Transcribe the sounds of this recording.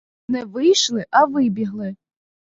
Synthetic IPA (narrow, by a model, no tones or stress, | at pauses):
nɛʋɪjʃlˠɪʔɐʋɪbʲiɦlˠɪ